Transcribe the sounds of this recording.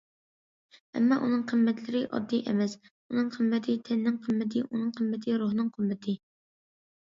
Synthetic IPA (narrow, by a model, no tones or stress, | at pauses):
ɛ̰mːɑʔunɨŋqʰəmːɛt̪lɪɾɪʔɑ̰d̪ːiʔɛ̰mɛs | unɨŋqʰəmːɛt̪ʰɪt̪ʰɛnnɪŋqʰəmːɪt̪ʰɪʔunɨŋqʰəmːɪt̪ʰɪɾuɦnɨŋqʰɨmːɪt̪ʰɪ